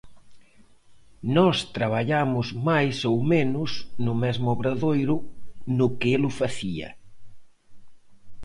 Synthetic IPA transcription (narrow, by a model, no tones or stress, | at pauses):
nɔst̪ɾaβ̞aʎamʊzmajsowmenʊsnʊmɛzmʊoβɾaðojɾʊnʊkɪelʊfaθiɐ̰